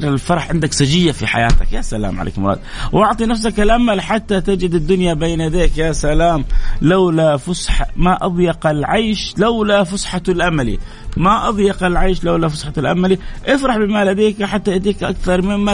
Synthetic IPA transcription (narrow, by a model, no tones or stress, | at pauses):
ɾɪlfɑɾˤɑħʕɪnd̪aksad͡ʒɪjːafiħa̰jaːt̪a̰kjasala̰ːmʕa̰ḛːkmɾɑ̰ːd̪ | wʔɑʕt̪ˤinafs̬akalʔamalħat̪ːat̪ad͡ʒɪd̪ɪd̪ːʊnjabeːnad̪eːkjaːsalaːmlawlafʊsħamaʔɑðˤjɑqɪlʕajʃlawlafʊsħalʔamalḭ | maʔɑðˤjɑqalʕaːʃlawlafʊsħat̪alʔa̰maliʔɪfɾˤɑħbɪmalad̪eːkħat̪ːajat̪iːkʔa̰kθɑɾˤmɪmːa